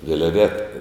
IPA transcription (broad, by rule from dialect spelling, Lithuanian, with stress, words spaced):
ʋʲɪlʲˈʋʲæːtɐ